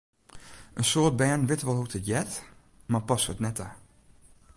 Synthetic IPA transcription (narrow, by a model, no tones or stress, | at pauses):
ʔənsoːt̚bɛːnʋɪtʋɔlˠɦutətjɛt | maːpɑsʋətnɛta